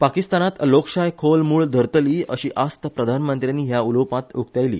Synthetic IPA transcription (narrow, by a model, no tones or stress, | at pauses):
pakist̪anat̪lokɕajkʰolmuːɭd̪ʱəɾt̪liːəɕiːʔast̪əpɾəd̪ʱanmənt̪ɾjanːiːɦjauləwpãt̪uk̚t̪ajlḭː